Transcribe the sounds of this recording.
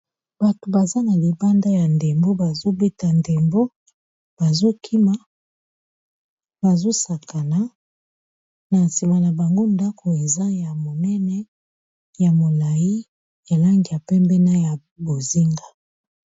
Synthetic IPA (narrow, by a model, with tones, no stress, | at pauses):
b̥a˨to˨ba˨za˦na˨li˨ba˦nda˦ja˨nde˨mbo˦ba˨zo˦be˦ta˨nde˨mbo˦ | b̥a˨zo˦kʰi˦ma˦ | ba˨zo˦sa˨ka˨na˨˦ | na˨nsi˨ma˨na˨ba˨ŋɡo˦nda˦kʰo˨e˨za˦ja˨mo˨nɛ˦nɛ˦ | ja˨mo˨la˨ji˦ | ja˨la˦ŋɡi˨ja˨pɛ˦mbɛ˦na˦ja˨ | bo˨zi˦ŋɡa˦